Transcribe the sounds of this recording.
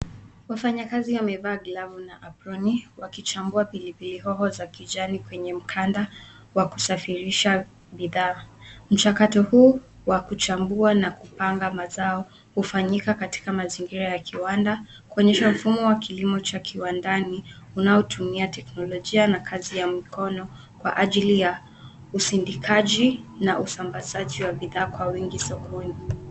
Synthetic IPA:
wafaɲakaziwamɛvaːɡlavunaʔapɾɔniwakit͡ʃambuapilipiliɦɔɦɔzakid͡ʒanikwɛɲɛm̩kʰanda | waku̥safiɾiʃa | biðaːm̩t͡ʃakatɔhuː | wakut͡ʃambuanakupaŋɡamazaɔ | hufaɲikakati̥kamaziŋɡiɾajakʰiwanda | kuɔɲɛʃam̩fumɔwakilimɔt͡ʃakʰiwandaniunaɔtʰumiatɛknɔlɔʄianakʰazijamikʰɔnɔ | kwa̰ʔaʄilija | usindikʰaʄinaʔusambazaʄiwabiðaːkwawiŋɡisɔkɔni

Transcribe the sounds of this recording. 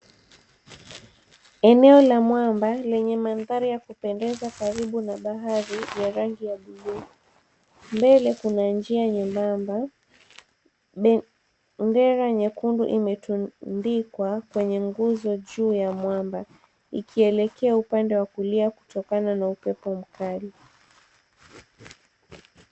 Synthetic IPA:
ɛnɛɔlamwambalɛɲɛmanðaɾijakupɛndɛzakaɾiɓunaɓaɦaɾijaɾaŋɡijaɓilui | mbɛlɛkunand͡ʒiaɲɛmbamba | ɓɛ | ndɛɾaɲɛkundṵʔimɛtundikwakwɛɲɛŋɡuzɔʄuːjamwamba | ikʰiɛlɛkɛaupandɛwakuliaku̥tɔkananaupɛpɔm̩kali

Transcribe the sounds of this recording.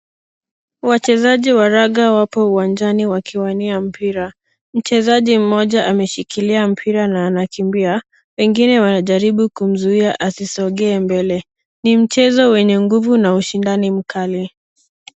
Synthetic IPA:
wat͡ʃɛzaʄiwaɾaɠawapɔuwand͡ʒaniwakʰiwaniam̩piɾa | m̩t͡ʃɛzaʄim̩mɔʄaʔamɛʃikʰiliam̩pʰiɾanaːnakimbia | wɛŋɡinɛwanaʄaɾiɓukum̩zuiaʔasisɔɠɛːmbɛlɛ | nim̩t͡ʃɛzɔwɛɲɛŋɡuvunauʃindanim̩kʰali

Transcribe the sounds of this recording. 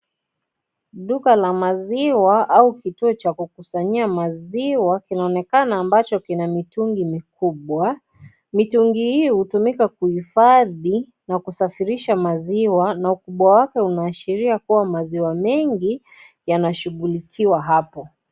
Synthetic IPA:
ɗukalamaziwaʔaukituɔt͡ʃakukusaɲiamaziwakinaɔnɛkanaːmbat͡ʃɔkinamituŋɡimikuɓwa | mituŋɡihiːhutumikakuhifaði | nakusafiɾiʃamaziwanaukuɓwawakɛunaːʃiɾiakuwamaziwamɛŋɡi | janaʃuɣulikʰiwaɦapɔ

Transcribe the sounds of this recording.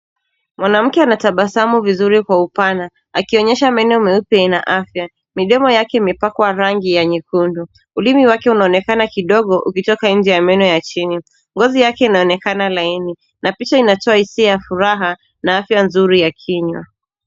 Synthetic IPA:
mwanam̩kɛanataɓasamuvizuɾikwaupana | akiɔɲɛʃamɛnɔmɛupɛnaʔafja | miɗɔmɔjakɛimɛpakwaɾaŋɡijaɲikundu | ulimiwakɛunaɔnɛkanakiɗɔɠɔʔukitɔkaɲ̩d͡ʒɛjamɛnɔjat͡ʃini | ŋɡɔzijakɛinaɔnɛkanalaini | napit͡ʃainatɔahisiajafuɾaɦa | naafjanzuɾijakʰiɲwa

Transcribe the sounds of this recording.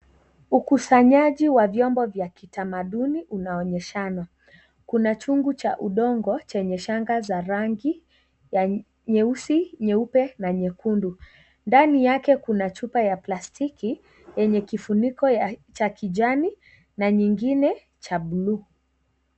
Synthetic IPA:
ukusaɲaʄiwavjɔmbɔvjakitamaɗuniʔunaɔɲɛʃana | kunat͡ʃuŋɡut͡ʃa̰ʔuɗɔŋɡɔt͡ʃɛɲɛʃaŋɡazaɾaŋɡi | ja | ɲɛusiɲɛupɛnaɲɛkundu | ndanijakɛkunat͡ʃupajaplastʰiki | jɛɲɛkifunikɔt͡ʃakʰiʄani | naɲiŋɡinɛ | t͡ʃaɓlu

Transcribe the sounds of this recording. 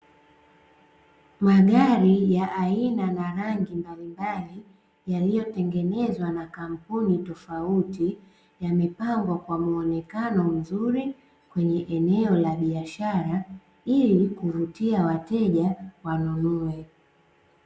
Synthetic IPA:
maɠaɾijaʔainanaɾaŋɡimbalimbali | jalijɔtɛŋɡɛnɛzwanakam̩punitɔfauti | jamɛpaŋɡwakwamuɔnɛkanɔm̩zuɾi | kwɛɲɛʔɛnɛɔlaɓiaʃaɾa | ilikuvutiawatɛʄawanunɔɛ

